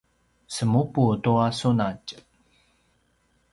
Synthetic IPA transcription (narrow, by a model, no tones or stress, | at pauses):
səmuputuasunac